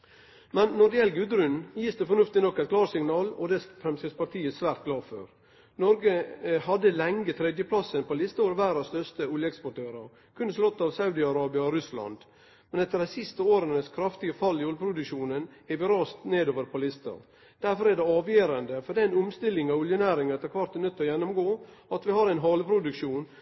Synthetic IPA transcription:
mɛnːɔɖɪjɛlɡʉd̪ɾʉnjiːsd̪ɛfɔɳʉft̪ɪnɔkːɛɪt̪̚kʰlɑːɾsɪŋnɑːlɔd̪ɛsfɾɛmsɛspɑt̪ʰiːəsʋæːɾt̪̚ɡlɑːfø̰ɾ | nɔɾɡəhɑd̪əlɛŋːət̪ʰɾɛd̪jəpʰlɑsənpɔlɪst̪əoːɾʋæːɾɑst̪œst̪əʊljəɛkspɔʈʰøːɾɑɾ | kʰʉnːəslɔt̪ːɑːʋsɑʉd̪ɪɑɾɑːbɪɑɔɾʉslɑ̰nd̪ | mɛnɛt̪ːəɾdɛsɪst̪əoːɾənəskʰɾɑft̪ɪɡəfɑlːɪɔlpʰɾʊd̪ʉkʂuːnənɛɾʋɪɾɑːst̪neːd̪oːʋəɾpʰɔlɪst̪ə̰ɾ | d̪̥æɾfɔɾæɖɛɑːʋjeːɾənd̪əfɔɖɛɪnʊmst̪ɪlːɪŋɑʋʊljənæːɾɪŋɛt̪ʰɛɾkʰʋɑɾt̪nœt̪ːəɔjɛnːʊmɡoːɑt̪ʋɪhɑːɾæɪnɦɑləpʰɾʊd̪ʉkʂuːn

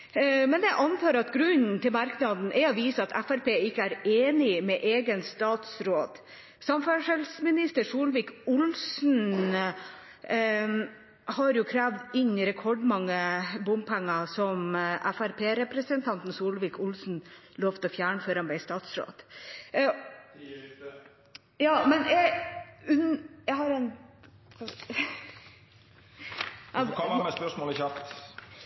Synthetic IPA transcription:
mɛnjæɪʔɑnt̪ʰɑːɾɑt̪ɡɾʉɲnt̪ʰɪlmɑɾknɑd̪n̩ʔɛɑʋiːsəɑt̪ʰæfæɾpʰeːɪkːəæːɾeːnɪmɛʔeːɡənst̪ɑːt̪sɾoːd̪̥ | sɑmfæʂɛlsmɪnɪst̪əɾsuːlʋɪːkʊlsn̩ | hɑɾjʊkʰɾæːʋd̪ɪɲɾɛkʰɔɖmɑŋːəbʊmpʰæŋːɑsɔmʔæfæɾpʰeːɾɛpɾəsənt̪ʰɑnt̪n̩suːlʋɪkʊlsn̩ | loːʋt̪ʰɔfjæːɳəføːɾɑnbɛɪst̪ɑːt̪sɾo̰ːd̪̥ | jɑːmɛnjæʉnjæɦɑɾɛn | ɑ | ɔəspœʂmoːlçɑpt̪

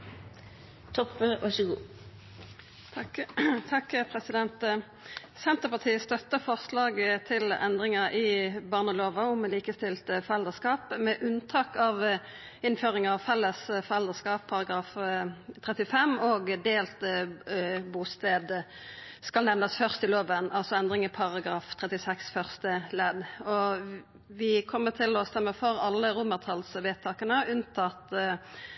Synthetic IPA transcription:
t̪ʰɔpːøʋʔɑʂəɡṵː | t̪ʰɑkpʰʁɛsɪd̪ɛnt̪ | sɛnt̪əpɑʁt̪ʰiːəst̪œt̪ːəfɔʁslɑːɡt̪ʰɪlɛ̰nd̪ʁɪŋəʔɪbɑːʁnəloːʋɑʊmliːkəst̪ɪlt̪əfɔʁɛld̪əskɑːpmɛʔʉnt̪ʰɑːkɑːʋ | ɪnføːʁɪŋɑʋfɛlːəsfɔʁɛld̪əʁskɑːpʰːɑʁɑɡɾɑːft̪ʰʁɛt̪ɪfɛmoːɡd̪eːlt̪ | buːst̪eːd̪ | skɑlnɛʋnəsfœʁst̪ɪloːʋənɑlsɔɛnd̪ɾɪŋəpʰɑʁɑɡɾɑːft̪ʰʁɛt̪ɪsɛksfœʁst̪əlɛd̪ɔ | ʋɪkʰɔmːət̪ʰɪlɔst̪ɛmːəfɔɾɑlːəɾʊməʁt̪ʰɑlsʋeːt̪ʰɑːkənəʉnt̪ʰɑt̪

